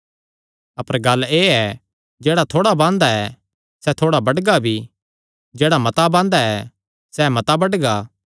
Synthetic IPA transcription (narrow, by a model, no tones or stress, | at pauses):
ɐpəɾɡɐlːeːɛ | d͡ʒeːɽat̪ʰoːɽabãːnd̪aɛ | sɛt̪ʰoːɽabɐɖɡabʱi | d͡ʒeːɽamɐt̪abãːnd̪aɛ | sɛmɐt̪abɐɖɡaː